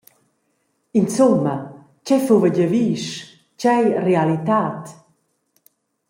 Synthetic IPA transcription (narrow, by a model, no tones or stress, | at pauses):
int͡sumːə | t͡ɕɛfuvəɟəviʃ | t͡ɕɛjrealit̪aːt̪